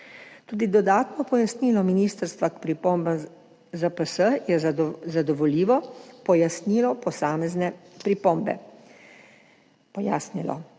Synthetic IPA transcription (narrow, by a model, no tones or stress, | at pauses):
t̪uːd̪id̪ɔd̪aːt̪nɔpɔjasniːlɔminiːst̪əɾst̪ʋakpɾipoːmbam | zapəsəjɛzad̪ɔʋɔliːʋɔpɔjasniːlɔpɔsaːmɛznɛpɾipoːmbɛ̰ | pɔjaːsnilɔ̰